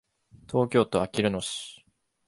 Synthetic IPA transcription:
t̪ʰo̞ːkʲo̞ːt̪o̞akʲiɾɯ̟noɕi̥

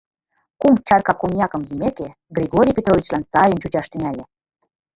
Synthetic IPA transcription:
kumt͡ɕɑrkɑkonʲjɑkɤ̆mjimeke | ɡrʲiɡoɾʲijpʲet̪rovʲit͡ɕlɑnsɑjənt͡ɕut͡ɕɑʃt̪ə̆nʲælʲĕ

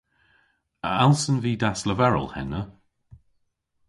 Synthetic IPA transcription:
əalˠsənviːdasləvɛɹə̰lˠhɛ̰nə

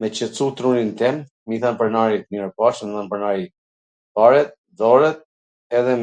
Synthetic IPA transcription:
mɛt͡ɕət͡sut̪ɾunint̪ɛm | miθanpəɾnaɾit̪nɛɾpaʃnθanpəɾnaɾi | paɾɛt̪̚ | ðɔɾɛt̪̚ | ɛðɛ

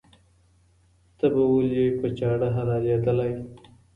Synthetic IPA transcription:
t̪abawoljejpət͡ʃɑɽaɦaɾɑzed̪əlaj

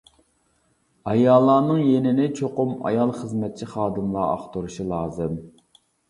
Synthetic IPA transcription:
ɑjɑːlˠːɑːnɨŋjenɪnɪt͡ʃʰoqʊmɑ̰jɑlˠχəzmɛt̪̚t͡ʃʰiχɑːd̪ɨmlˠɑɑ̰χt̪uɾuʃulˠɑːzɨm

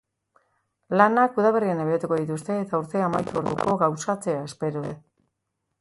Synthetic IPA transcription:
lanakuðaβ̞e̞riane̞βeet̪uko̞ðit̪ust̪e̞ːt̪auɾt̪e̞amajt̪uoɾðuko̞ɣawsat͡se̞ae̞spe̞ɾoe

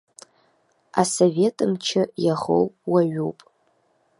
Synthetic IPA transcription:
asove̞tʼɨmt͡ʃʰɪjaχo̰wʼwaɥupʼ

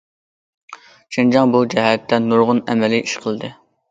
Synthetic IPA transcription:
ʃʰind͡ʒɑŋbud͡ʒɛɦɛt̪ʰːɛnuɾʁʊnɛmɛliʔiʃqʰəlˠɨd̪ɨ

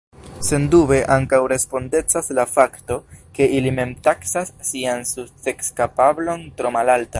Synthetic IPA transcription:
se̞ndube̞ʔaŋkawɾe̞spo̞nde̞t͡saslafakto̞ke̞ʔilime̞mtaksasːiansut͡se̞kskapablo̞ntɾo̞malalta

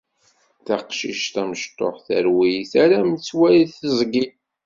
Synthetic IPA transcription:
θɑqʃiʃt̪æməʃt̪ˤːo̰ħθəɾwiθæɾæmt͡sːwæjiθəzˤɡi

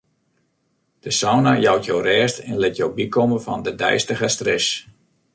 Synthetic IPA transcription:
d̥əsɔwnajɔwtjowrɛːstɛnlɪtjowbikɔməvɑ̰ndədɛ̰jstəɣəstrɪs

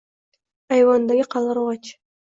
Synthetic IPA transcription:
ɑjwɑnd̪ɑɡʲɪqʰɑlˠɑɾʁɑt͡ʃ

